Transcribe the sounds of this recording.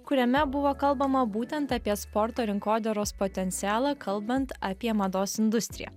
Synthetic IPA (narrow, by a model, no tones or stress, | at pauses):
kʊɾʲɛmʲɛbʊʋoːkɐlˠbɐmɐbuːt̪ʲɛnt̪ɐpʲiɛspɔɾt̪oːɾʲɪŋkoːd̪ʲɛɾoːspot̪ʲɛnʲt̪sʲæːlˠɑːkʰɐlˠˑbɐnt̪ɐpʲiɛmɐd̪oːsɪnd̪ʊsʲt̪ʲɾʲɪ̰jɛ̰